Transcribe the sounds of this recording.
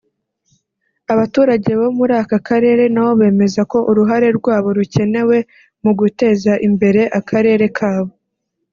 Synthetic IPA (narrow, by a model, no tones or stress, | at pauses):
aβatuːɾaɟe̞βo̞muɾaːkakaɾe̞ːɾe̞nawo̞βe̞ːme̞zako̞ʔuɾuɦaɾe̞ɾɡwaːβo̞ɾuce̞ne̞we̞ | muɡute̞ːzaʔimbe̞ɾe̞ʔakʰaɾe̞ːɾe̞kʰaːβo̞